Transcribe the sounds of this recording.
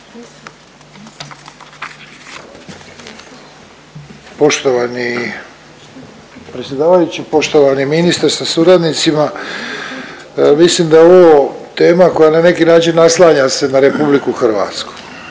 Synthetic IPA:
po̞ʃt̪oʋani | pɾet̪sʲje̞d̪aːʋajut͡ɕipo̞ʃt̪o̞ʋaniminist̪aɾsasuɾad̪nit̪sima | mislimd̪aoʋot̪e̞ːmako̞janane̞kinaːt͡ʃinːaslˠaːɲase̞naɾe̞publikuxrʋa̰ːt̪sku̥

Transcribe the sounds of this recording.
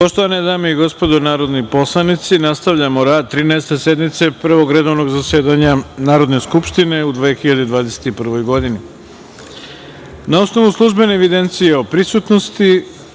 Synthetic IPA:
poʃt̪oʋaned̪aːmeiɡo̞spo̞d̪onaːɾo̞d̪nipo̞slˠanit̪sinast̪aʋʎamoɾaːd̪̚t̪ːɾiːnɛest̪e̞se̞d̪mit̪se̞pr̩ʋo̞ɡɾe̞d̪o̞ʋno̞ɡzasje̞ːd̪aɲanaːɾo̞d̪ne̞skupʃt̪ine̞ud̪ʋexiʎad̪ed̪ʋaːd̪ese̥t̪ipr̩ʋo̞jɡo̞d̪ini | nao̞sno̞ʋuslˠuʒbe̞neːʋid̪e̞nt̪sijeo̞pɾisut̪no̞st̪i

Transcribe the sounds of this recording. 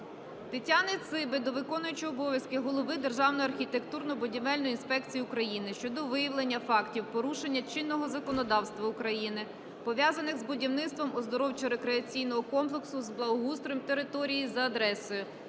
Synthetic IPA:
t̪etʲanɪt̪sɪbɪd̪ɔʋɪkɔnʊjʊt͡ʃijɔbɔʋʲjɐskɪɦɔlˠɔʋɪd̪erʒɑwnɔjɐrxʲit̪ekt̪urnɔbʊdʲimɛlʲnɔjinspɛkt͡sʲijiʊkɾɐjinɪʃt͡ʃɔd̪ɔʋɪjɐwlˠenʲːɐfɑktʲiwpɔɾuʃenʲːɐt͡ʃɪnːɔɦɔzɐkɔnɔd̪ɑwst̪ʋɐʊkɾɐjinɪ | pɔʋʲjazɐnɪxzbʊdʲiwnɪt̪st̪ʋɔmʊzd̪ɔɾɔwt͡ʃʊɾekɾeɐt͡sʲijnɔɦɔkɔmplˠeksʊzblˠɐɦust̪ɾɔmt̪eɾɪt̪ɔɾʲijizɐɐd̪ɾɛsʊjʊ

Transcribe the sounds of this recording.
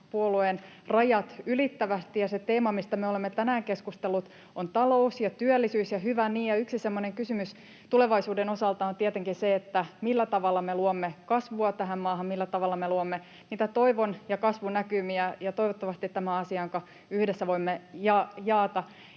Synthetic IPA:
puoluen | rɑjɑt̪ylit̪ːæʋæst̪ijɑset̪eːmɑmist̪æmeo̞lemːet̪ænæːŋkeskust̪elːut̪ | ont̪ɑlo̞usjɑt̪yølːisyːsjɑhyʋæniːjɑyksisemːoneŋkysymys | t̪uleʋɑisuːdeno̞sɑlt̪ɑont̪iet̪eŋkinseet̪ːæmilːæt̪ɑʋɑlːɑmeluomːekɑsʋuɑt̪æɦæmmɑːɦɑmmilːæt̪ɑʋɑlːɑmeluomːe | niːt̪æt̪o̞iʋonjɑkɑsʋunækymiæjɑt̪oiʋot̪ːɑʋɑst̪it̪tːæmæɑsiɑŋkɑ | yhdesːæʋoimːejɑːjɑːt̪ɑ

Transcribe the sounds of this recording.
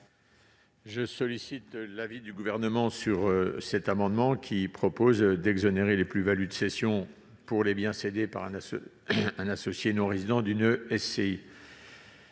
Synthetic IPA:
ʒəsɔlisit̪lavid̪yɡuvɛʁnəmɑ̃syʁsɛt̪amɑ̃d̪mɑ̃kʲʰipχɔpozd̪ɛɡzɔneʁeleplyvalyd̪əsesjɔ̃ | puʁlebjɛ̃sed̪epa̰ʁɛ̃ | ɛ̃nasɔsjenɔ̃ʁezid̪ɑ̃d̪ynøɛsei

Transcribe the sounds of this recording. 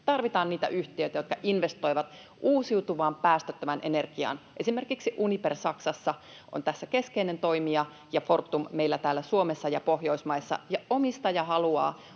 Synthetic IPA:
t̪ɑrʋit̪ɑːnniːt̪æ̰ʔyht̪iøit̪æjo̞t̪kɑʔinʋest̪o̞iʋɑt̪ | ʔuːsiut̪uʋɑːmpæːst̪øt̪ːøʋænʔenerɡ̥iɑ̰ːnʔe̞simerkiksiʔunipersɑksɑsːɑ | ʔo̰nt̪æsːæke̞skeinent̪o̞imiɑ | jɑfort̪ːummeilːæt̪æːlːæsuomesːɑjɑpohjo̞ismɑisːɑ̰jɑʔomist̪ɑjɑhɑluɑ̰ː

